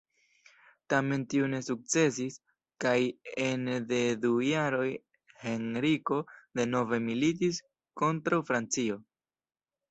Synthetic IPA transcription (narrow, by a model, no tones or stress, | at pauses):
tame̞ntiune̞suk̚t͡se̞sis | kaje̞nde̞dujaɾo̞j | he̞nɾiko̞de̞no̞ve̞milit̬is | ko̞ntɾawfɾant͡sio̞